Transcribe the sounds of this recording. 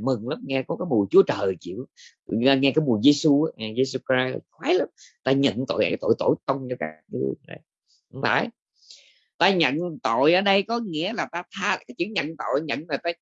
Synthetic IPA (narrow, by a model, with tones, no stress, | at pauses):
mɨ˨˩ŋlaː˨˦m̚ŋɛ˧kɔ˨˦kaː˨˦jmu˨˩əjt͡ɕu˨˦ət͡ɕəː˨˩jt͡ɕḭ˧˨w̪ | a˧ŋɛ˧kaː˨˦jmu˨˩əjze˧su˧aː˨˦ŋa˨˩ze˧su˧ka˧˨˩xwa˨˦laː˨˦˥mt̪aː˧ɲə̰˧˨nt̪o̰˧˨jaː˨˦jt̪o̰˧˨jt̪o̰˧˩jt̪ə˧wŋ͡mt͡ɕɔ˧ka̰ː˦˥k̚ŋɨ̰˧əzə̰˨˩j | ŋ͡mla̰ː˧˨˩j | t̪aː˧ɲə̰˧˨nt̪o̰˧˨jʔəː˨˧˩ɗə˧jkɔ˨˦ŋḭ˧˥əlaː˨˩t̪aː˧t̪ʰaː˧kaː˨˦jt͡ɕɨ̰˧˨əŋɲə̰˧˨nt̪o̰˧˨jɲə̰˧˨nzo˨˩t̪aː˧